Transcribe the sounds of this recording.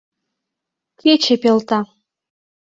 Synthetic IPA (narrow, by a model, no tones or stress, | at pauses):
kʰʲet͡ɕepelt̪ɑ